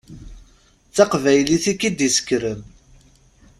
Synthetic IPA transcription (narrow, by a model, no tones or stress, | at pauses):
θt͡sːɑqvæjliθikːid̪isə̥kɾəm